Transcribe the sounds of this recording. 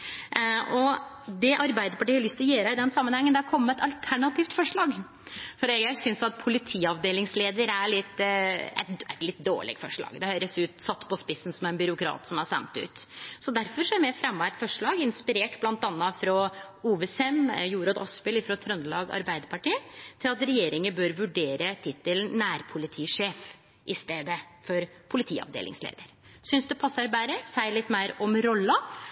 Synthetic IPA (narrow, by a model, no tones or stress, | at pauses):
ʔɔ | d̪ɛʔɑɾbæɪd̪əɾpɑʈiːhɑɾlʏst̪ɪlɔjøːɾəɪd̪ɛnsɑmːənhɛŋːənd̪ɛɾkʰɔmːəɛt̪ɑlt̪ʰæɳɑt̪iːft̪fɔʂɭɑːɡ | fɔɾɛɡæsʏnsɑt̪̚pʰʊlɪt̪ʰiːɑʋd̪eːlɪŋsleːd̪əɾæɭɪt̪ːɛ̰t̪æ̰t̪lɪt̪d̪o̰ːɭɛ̰ɡfɔʂɭɑ̰ːɡd̪ɛhøːɾəsʉːt̪sɑt̪ːpʰɔspɪsːn̩sɔmæɪnbʏɾʊkʰɾɑ̰ːt̪sɔmɑɾsɛ̰nt̪ʉ̰ːt̪sɔd̪æɾfɔɾʂɔæɾmɛfɾɛmːʋæːʈfɔʂɭɑːɡɪnspɪɾeːʈblɑnt̪ɑnːɑfɾɔ | uːʋɛsɛmjuːɾɑd̪ɔ̰spɪlɪfɾɔt̪ʰɾœnd̪əlɑːɡɑ̰ɾbæɪd̪əɾpɑʈiːət̪ʰɪlɑt̪ɾɛjeːɾɪŋəbøːɾʋʉɖeːɾət̪ʰɪt̪ːəlnæːɾpʰʊlɪt̪ʰiːʂeːf | ʔɪst̪eːd̪əfɔɾpʰʊlɪt̪ʰḭːɑ̰ʋd̪ḛːlʔɪ̰ŋslḛːd̪əɾsʏnsd̪ɛpʰɑsːɑɾbæɾəsæɪlɪt̪ːmæɪɾɔmɾɔlːə